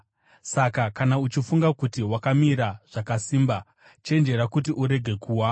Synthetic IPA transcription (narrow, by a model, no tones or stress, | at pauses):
sakakanaut͡ʃifuŋɡakutiwakamiɾaʐ̥akasiːmba | t͡ʃe̞nd͡ʒe̞ɾakut̬iʔuɾe̞ɡʱe̞kʰuːwa